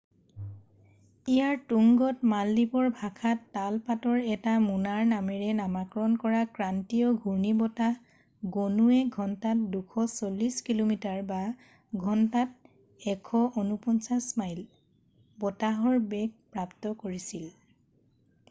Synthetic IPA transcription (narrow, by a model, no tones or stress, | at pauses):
ijaɹtuŋɡɔtmalːipɔɹbʱakʰatːalpatɔɹɛtamunaɹnamɛɹɛnamakɹɔnkɔɹakɹantiɔɡʱuɹnibɔtaɦ | ɡonuɛɡʱɔntat̚dukʰɔsolːiskilomitaɹba | ɡʱɔntat̚ | ɛkʰɔʔonupɔnsasmajl | bɔtaɦɔɹbɛk̚pɹaptɔkoɹisil